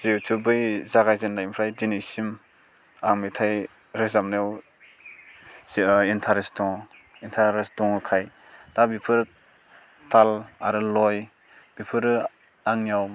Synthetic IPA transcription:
zitʰubɯjzaɡajzenːajimpʰɾajdinisim | aŋmitʰaj | ɾɯzamnajaw | intʰaɾestɔŋ | intʰaɾestɔŋkʰaj | dabipʰɯɾ | tʰalaɾɯlɔj | b̥ipʰɯɾ | aŋjaw

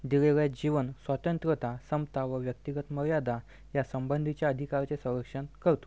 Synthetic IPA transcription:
d̪iɡeʋjad͡ʑiʋənsʋat̪ənt̪ɾət̪asəmt̪aʋəʋjək̚t̪iɡət̪məɾjad̪ʱa | jasəmbənd̪ʱit͡ɕjaəd̪ʱikaɾt͡sesə̃w̃ɾəkʂənkəɾt̪o̥

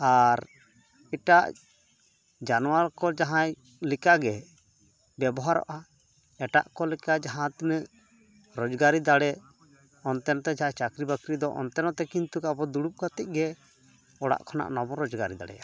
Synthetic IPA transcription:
aɾ | iʈaʔ | d͡ʒanuwaɾkɔd͡ʒaɦãj | likaɡɛ | bjɛbɔɦaɾɔ̰ʔa | ɛʈa̰ʔkɔlɛkad͡ʒaɦãt̪nəʔ | ɾɔd͡ʒɡaɾid̪aɽɛ | ɔnt̪ɛnɔt̪ɛd͡ʒaɦãt͡ʃakɾibakɾid̪ɔʔɔ̰nt̪ɛnɔt̪ɛkint̪ukabɔd̪uɽup̚kat̪ic̚ˀɡɛ | ɔɽa̰ʔkʰɔna̰ʔnɔbɔɾɔd͡ʒɡaɾid̪a̰ɽɛ̰a

